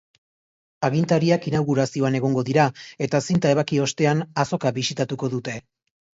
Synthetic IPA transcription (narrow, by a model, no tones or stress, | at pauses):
aɣint̪aɾiakinawɣuɾasio̞ane̞ɣ̞o̞ŋɡo̞ðiɾae̞t̪asint̪ae̞βakio̞st̪e̞anaso̞kaβisit̪at̪uko̞ðut̪e̞